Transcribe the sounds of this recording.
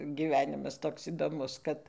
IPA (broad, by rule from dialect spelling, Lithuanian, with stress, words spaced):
ɡʲiːˈʋʲæːnʲɪmɐs ˈtoːks iːdoːˈmʊs ˈkɐt